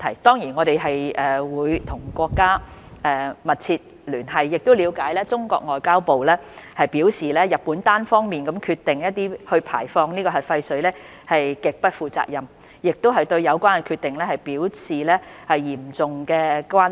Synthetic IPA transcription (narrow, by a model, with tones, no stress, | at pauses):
t̪ʰɐ˨˩jt̪ɔː˥ŋjiː˨˩nŋɔː˨˧ɾe˨jɦɐ˨jʔɛː˨wuː˨˧jt̪ʰʊ˨˩ŋkʷɔː˧kːaː˥ʔɛ˨mɐ˨t̚t͡sʰi˧t̚ | lyː˨˩nɦɐ˨jːɪ˨k̚t̪o˥wliː˨˧wkaː˨˥jlɛː˥t͡sʊ˥ŋkɔ̰ː˧k̚ŋɔː˨jkaː˥wpo˨wlɛː˥hɐ˨jpiː˨˥wsiː˨lɛː˥jɐ˨t̚puː˨˥nt̪aː˥nfɔː˥ŋmiː˨nkɐ˨˥mkʰyː˧t̪ːɪ˨ŋjɐ˥t̚t̪iː˥hɵ˧pʰa̰ː˨˩jfɔː˧ŋniː˥kɔː˧ɦɐ˨jfɐ˧jsɵ˨˥ɥlɛː˥ | hɐ˨jkɪ˨k̚pɐ˥t̚fuː˨˩t͡sa̰ː˧k̚jɐ˨m | jɪ˨k̚t̪o˥wɦɐ˨jt̪ɵ˧ɥjɐ˨˧wkʷaː˥n˨˩kʰyː˧t̪̚ɪ˨ŋlɛː˥hɐ˨˩jpiː˨˥wsiː˨lɛː˥hɐ˨jːiː˨˩mt͡sʊ˨ŋkɛː˧kʷaː˥